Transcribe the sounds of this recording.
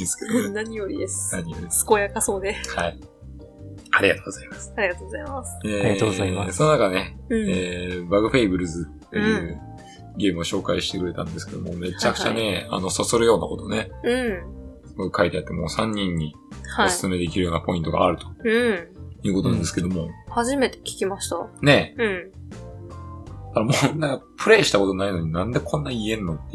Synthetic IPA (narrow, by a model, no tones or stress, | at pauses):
ĩnsɨ̥ked̪oenaɲijoɾʲid̪esɨ̥naɲ̟ijoɾʲid̪eskojakasoːd̪ehai | aɾʲiɡat̪o̞ːɡo̞zaimasɨ̥aɾʲiat̪oːɡozaimaseːsononakane̞eːbaɡɯ̟ɸeibɯ̟ɾɯ̟zɨt̪ːejɯ̟ː | ɡʲe̞ːmɯ̟oɕo̞ːkaiɕi̥t̪e̞kɯ̟ɾe̞t̪ã̰nd̪e̞sɨ̥ke̞d̪o̰mome̞t͡ɕakt͡ɕa̰ne̞a̰no̞sasoɾɯ̟jo̞ːnako̞t̪o̞ne̞ɯ̃ | koikʰait̪eat̪ːemo̞ːsãɲ̟ːĩɲ̟ːi | hosɨ̥sɨme̞d̪e̞kʲiɾɯ̟jo̞ːnapo̞ĩnt̪o̞ɡa̰ːɾɯ̟t̪o̥ɯjɯːkot̪o̞nãnd̪esɨ̥ke̞d̪o̞mo̞haʑime̞t̪e̞̥kʲi̥kʲimaɕi̥t̪anẽ̞ | kaɾamonakapʰɯ̟ɾe̞ːɕi̥t̪ako̞t̪o̞naino̞ɲ̟inãnd̪e̞kʰõ̞nːaiẽ̞nːot̪ːe